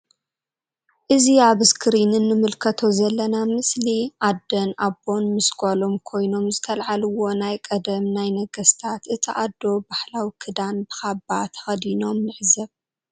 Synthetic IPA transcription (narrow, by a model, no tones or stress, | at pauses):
ʔɨziaβskʰɾinɨnːɨmɨlkʰɐt̪ʰo̞zɐlːɐnamɨsliʔad̪ɐnʔabo̞nmɨsɡʷalo̞mkʰo̞jno̞mzɨt̪ʰɐlʕalɨwo̞najkʼɐd̪ɐmnajnɐɡɐst̪ʰat̪ʔɨt̪ʰiʔad̪ːo̞bahlawikʰɨd̪anbɨxabat̪ʰɐ̥xɐd̪ino̞mnɨʕzɐβ